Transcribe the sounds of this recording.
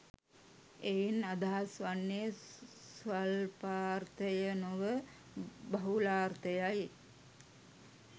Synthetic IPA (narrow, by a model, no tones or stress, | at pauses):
einad̪aɦasʋanːesʋalpaːrt̪əjənoʋə | bɐɦulaːrt̪əjaj